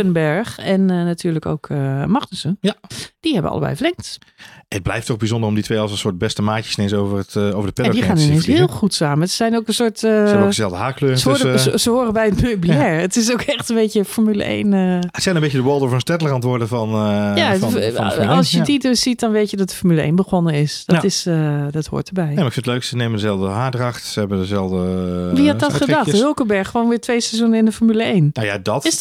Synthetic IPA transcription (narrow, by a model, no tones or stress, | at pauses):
ønbɛɹxɛnənatʰyːəɹləko̰wkʰəmɑχtəsənd̥iɦɛbə̰ʔɑ̰lˠəbɛ̰jvərlɛŋkt | ət̚blɛjftɔxbizɔndərɔmditʰʋejɔlˠsənsʊːɹt̚bɛstəmaːcə̥snensovəətowvəɹdəpɪdixaːnynenshɪəlˠxutsaːməsə̥zɛjnowkənsʊːɹtəəzɛlˠvdəɦaːkløːəsəoːəsəhoːrəbɛjətmøɥbilɛːɹətɪs̬okɛxtənbejtəfɔɹmylə̰ʔḛjnəsɛjnənmbecədəʋɔlˠdovənstɛtəlˠəkɑntʋʊːɹdəvɑnja | lˠsjətidəsit̚dɔnʋeːtjədɔt̚dəfɔɹmyləḛjnbəxonənɪsd̥ɔtɪsədɔtho̰ːtəbɛjnemaɪkfɪntətløɥksənejməndəzɛlˠvdəɦaːdrɑxtsəɦɛbəndəzɛlˠvdəʋihadɔtədɔxthølˠkəbɛɹxxʋoːnʋɪːɹtʋejsɛzunənɪndəfɔɹmyləejnna̰ja̰dɔtɪs